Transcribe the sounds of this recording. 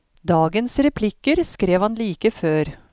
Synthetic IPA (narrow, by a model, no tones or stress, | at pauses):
d̪ɑːɡənsɾɛpʰlɪkːəɾskɾeːʋhɑnliːkəføːɾ